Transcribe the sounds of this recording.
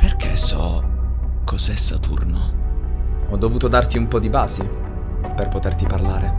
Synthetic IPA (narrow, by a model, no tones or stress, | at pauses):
perkʰḛsɔ̰ | kʰɔzɛsːat̪ṵrno | ɔd̪ːovuːt̪od̪art̪iumpɔd̪ibaːsi | perpot̪ert̪iparlaːɾe